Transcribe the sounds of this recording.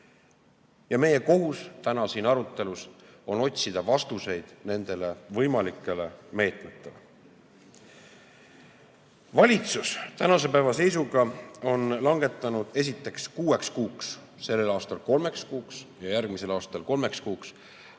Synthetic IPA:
jɑme̞je̞ko̞ɦust̪ænɑsinɑɾut̪ːˑe̞luso̞no̞tʲsid̪̥ɑvɑst̪use̞jd̪̥ne̞nd̪̥e̞le̞vɤjmɑlikːˑe̞le̞me̞ːt̪met̪ːˑe̞le | vɑlʲit̪sust̪ænɑse̞pæevɑse̞jsuɡɑo̞nlɑŋɡ̥e̞t̪ˑːɑnud̪̥e̞s̬it̪ːˑe̞kskuːe̞kskuːks | se̞lːe̞lɑːst̪ɑlko̞lme̞kskuːksjɑjærɡ̥mise̞lɑːst̪ɑlko̞lmekskuːks

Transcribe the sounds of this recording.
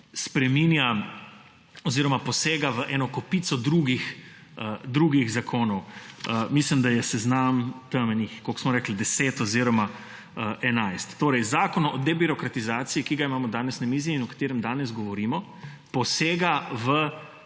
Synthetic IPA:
spɾɛmiːnja | oziːɾɔmapɔseːɡaʋəʔɛːnɔkɔpiːt̪sɔd̪ɾuːɡix | əd̪ɾuɡiɣzakʰoːnɔwəmislimd̪ajɛsɛznamt̪əmɛnixkoksmɔɾɛːklid̪ɛseːt̪ɔziɾɔma | əʔɛnajst̪ːoːɾɛjzaːkɔnɔʔɔd̪ɛbiɾɔkɾat̪izaːt̪sijikiɡaimaːmɔd̪aːnɛsnamiːziiinɔkḁt̪eːɾɛmd̪aːnɛzɡɔʋɔɾiːmɔ | pɔseːɡaʋə

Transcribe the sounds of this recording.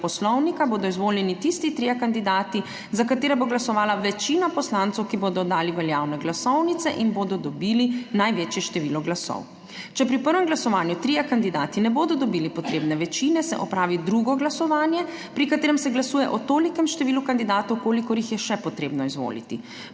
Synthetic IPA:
pɔslɔwnikaboːd̪ɔizʋoːljɛnit̪ist̪it̪ɾijakand̪id̪aːt̪i | zakat̪eːɾaboɡlasɔʋaːlaʋɛt͡ʃiːnapɔslãnt̪sɛwkibod̪ɔd̪aːliʋɛljaːwnɛɡlasɔwnit̪sɛʔinboːd̪ɔd̪ɔbilinajʋeːt͡ʃjɛʃt̪ɛʋiːlɔɡlasɔ̰w | t͡ʃɛpɾipəɾʋɛmɡlasɔʋaːnjut̪ɾijakand̪id̪aːt̪inɛboːd̪ɔd̪ɔbiːlipɔt̪ɾeːbnɛʋɛt͡ʃinɛsɛ̰ʔɔpɾaːʋid̪ɾuɡɔɡlasɔʋaːnjɛ | pɾikat̪eːɾɛmsɛɡlasuːjɛʔɔt̪oːlikɛmʃt̪ɛʋiːlukand̪id̪aːt̪ɔwkoːlikɔɾjixjɛʃɛpɔt̪ɾeːbnɔizʋo̰lḭt̪ḭ

